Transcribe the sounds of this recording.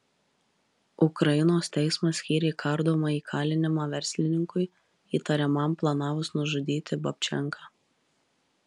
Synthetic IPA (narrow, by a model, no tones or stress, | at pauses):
ʊkɾɐɪnoːst̪ʲɛɪsmɐsʲkʲiːɾʲɛkʰɐɾd̪oːmɐiːkʰɑːlʲɪnʲɪmɑːʋʲɛɾʲsʲlʲɪnʲɪŋkʊɪ | iːt̪ɐɾʲɛmɐmplˠɐnɑːʋʊsnʊʒʊd̪ʲiːt̪ʲɪbɐpʲt͡ʃʲɛ̰ŋkʰɑː